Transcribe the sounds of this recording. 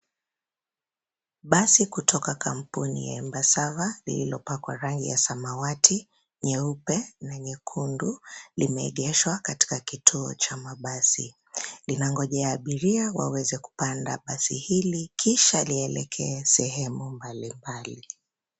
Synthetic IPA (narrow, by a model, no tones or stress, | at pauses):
ɓasikutʰɔkakam̩punḭja̰ɛmbasavalḭlilɔpakwaɾaŋɡḭjasamawatʰi | ɲɛupɛnaɲɛkʰundulimɛɛ̰ɠɛʃwakati̥kakitʰuɔ̰t͡ʃamaɓasi | linaŋɡɔʄɛjaːɓiɾiawa̰wɛzɛku̥panda̰ɓasihilikʰiʃaliɛlɛ̰kʰɛːsɛɦɛmumbalimbali